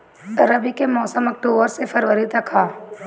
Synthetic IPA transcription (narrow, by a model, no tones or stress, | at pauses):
ɾəbikemɔːsəmɐk̚ʈoːbəɾsepɐɾʋəɾit̪ɾɐkʰaː